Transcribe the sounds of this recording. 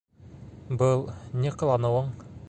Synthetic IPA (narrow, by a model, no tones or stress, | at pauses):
bɤlˠnʲiq̆lˠɑnɤ̆wɤɴ